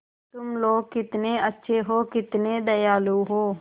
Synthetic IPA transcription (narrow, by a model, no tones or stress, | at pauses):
t̪ʊmloːɡ̚kɪt̪neːətːʃʰeːɦoːkɪt̪nẽːd̪əjaːluːɦoː